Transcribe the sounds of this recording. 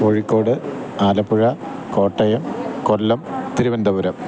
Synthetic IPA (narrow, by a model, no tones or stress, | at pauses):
oɻikːo̞ːɽɨaːlɐpːuɻɐko̞ːʈːɐjɐmkolːɐmt̪iɾibɐnd̪ɐbuɾɐm